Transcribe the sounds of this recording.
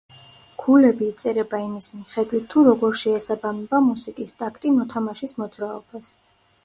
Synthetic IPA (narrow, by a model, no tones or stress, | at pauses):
kʰulɛbiːt̪sʼɛɾɛbaimismiχɛd̪wit̪ʰːuɾɔɡɔɾʃɛːsabamɛbamusikʼist̪ʼakʰt̪ʼimɔt̪ʰamaʃismɔd̪zɾaɔb̥as